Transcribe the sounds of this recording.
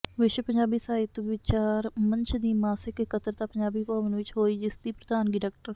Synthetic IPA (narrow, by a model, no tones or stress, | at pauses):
ʋɪʃpəɲd͡ʒaːbiːsaːɪt̪ʋɪt͡ʃaːɾmə̃ɲt͡ʃʰd̪iːmaːsɪkkət̪əɾt̪aːpəɲd͡ʒaːbiːpaːʋənʋɪt͡ʃɦoːiːd͡ʒɪsd̪iːpɾəd̪aːnɡɪʈɛːk̚ʈəɾ